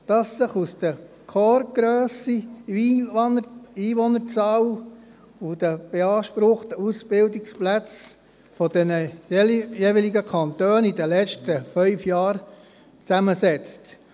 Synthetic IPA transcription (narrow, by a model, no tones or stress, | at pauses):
d̥ɑsːɪχusd̥̪ə | kʰɔɾɡ̥ɾøːsi | nəiːʋɔnəɾt͡sɑw | ud̥əb̥eɑːʃpɾʊχtəusb̥ɪldɪksplæt͡s | fɔd̪ɛnə | jeʋiliɡəkʰɑnt̪øːnidəlɛt͡ʃtəfœʏfjɑːɾ | t͡sæməsɛt͡st